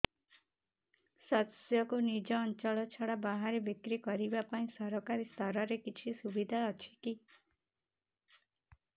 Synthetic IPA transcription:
sat̪sjɔkunid͡ʒɔːnt͡ʃɔɭɔt͡ʃʰɔɽabaɦaɾebikɾikɔɾibapaĩsɔɾɔkaɾist̪ʰɔɾɔɾekit͡ʃʰisubid̪ʱaɔt͡ʃʰi̥ki

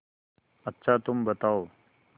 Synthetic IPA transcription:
ətːɕʰat̪ʊmbət̪ao

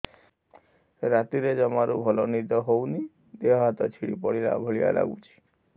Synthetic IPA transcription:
ɾat̪iɾed͡ʒɔmaɾubʱɔlɔnid̪ɔɦowni | d̪eɔɦat̪ɔt͡ʃʰiɽḭpɔɽila̰bʱoɭija̰la̰ɡṵt͡ʃʰi̥

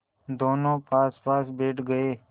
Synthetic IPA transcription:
d̪oːnõːpʰaːspaːsbeːʈʰɡəeː

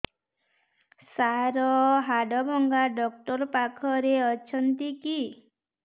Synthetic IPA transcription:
saɾɔɦaɖɔbɔŋɡaɖɔkʈɔɾpakʰɔɾeɔt͡ʃʰɔnt̪iki

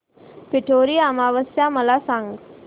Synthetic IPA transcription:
peʈʰoːɾijamaːʋəsjaːməlaːsaŋɡ

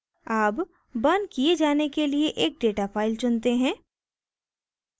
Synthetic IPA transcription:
aːp | bɐnkied͡ʒaːnekelieʔeːk̚ɖeːʈafaːɪlsʊnt̪eɦɛ̃ː

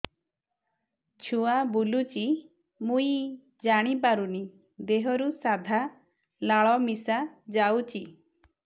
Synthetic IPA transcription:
t͡ʃʰuabulut͡ʃi | mui | d͡ʒaɽ̃ipaɾuni | d̪eɦɔɾusad̪ʱa | laɭɔmisad͡ʒawt͡ʃi

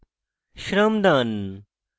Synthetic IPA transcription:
ʃɾɐmd̪an

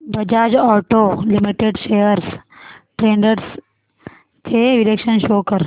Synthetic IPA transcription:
bɐd͡ʒaːd͡ʒɔːʈolimiʈeɖʃejəɾsʈɾẽːɳɖəɾs | t̪ʰeʋilekʃənʃoːkəɾ

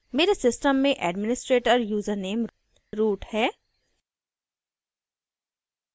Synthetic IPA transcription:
meːɾesɪsʈəmːẽʔɛːɖmɪnɪsʈɾeːʈəɾjuːzəɾneːm | ɾuːʈhɛː

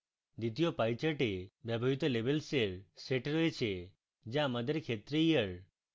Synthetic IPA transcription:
d̪it̪ijopajt͡ʃəʈebjabʱaɦit̪ɔlebelseɾseʈɾɔet͡ʃʰe | d͡ʒãmad̪ʱəɾekʰet̪ɾijəɾ

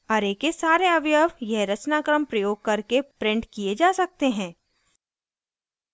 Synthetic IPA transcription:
ɔːɾeːkesaːɾeɐʋjəʋjɛɦɾɐt͡ʃnaːkɾəmpɾɐjoːɡ̚kɐɾkepɾɪ̃ɳɖkied͡ʒaːsɐk̚t̪eɦɛ̃ː

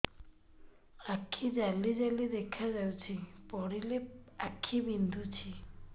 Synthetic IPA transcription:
akʰid͡ʒalid͡ʒalid̪ekʰad͡ʒawt͡ʃʰipɔɽileakʰːibind̪ʱut͡ʃʰi

